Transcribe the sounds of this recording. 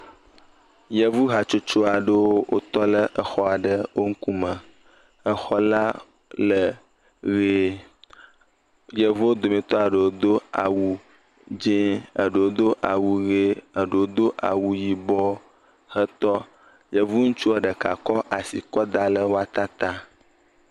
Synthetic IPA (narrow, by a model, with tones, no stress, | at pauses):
jə˨vu˦ɦa˨t͡ʃo˦t͡ʃo˦a˨ɖə˦wo˦wʔo̰˦t̪ɔ˦lə˦ʔə˨xɔ˦a˨ɖə˦wo˦ŋ̩˦ku˦mə̃˨ | ə˦xɔ˦la˦ | lə˨ | ɣe˦ | jə˨vu˦wo˦d̪o˨mẽ˨t̪ɔ˦a˨ɖə˨wo˦d̪o˦a̰˨wu˨ | d͡ʒẽ˦ə˨ɖə˨wo˦d̪o˦ʔa˨wu˨ɣe˦ə˨ɖə˨wo˦d̪o˦ʔa̰˨wu˨ji˨bɔ˦ | hə˦t̪ɔ˦ | jə˨vu˦ŋu˦t͡ʃu˦a˨ɖə˨ka̰˨kɔ˦ʔa˨si˨kɔ˦d̪a˦lə˦wo˦a˦t̪a˦t̪a˦